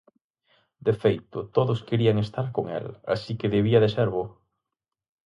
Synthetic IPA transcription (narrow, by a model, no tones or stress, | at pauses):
d̪efejt̪ʊt̪oðʊskeɾiɐaŋest̪aɾkoŋɛ̰la̰sikeðeβ̞iɐðeseɾβo